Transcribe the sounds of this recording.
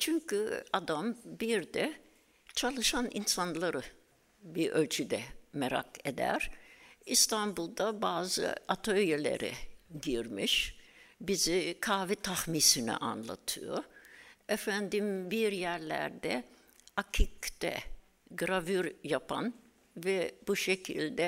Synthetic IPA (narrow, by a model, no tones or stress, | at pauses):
t͡ʃʰyɲcyad̪ambiɾd̪ɛ | t͡ʃʰalˠɯʃanḭnsanlˠaɾɯ | biɾølʲt͡ʃʰyd̪ɛmeɾa̰ked̪æ̰ɾist̪ʰanbulˠd̪abaːzɯ̰at̪ʰøjelʲḛɾɛ̰ɟiɾmiʃ | bizikʰaːvit̪ʰahmiːsinɛ̰ʔa̰nlˠa̰t̪ʰɯ̰jo̰ɾefænd̪imbiɾjæɾlʲæ̰ɾd̪ɛ | acʰikd̪ɛ̰ | ɡɾavyɾjapʰa̰n | vɛb̥uʃecʰilʲd̪ɛ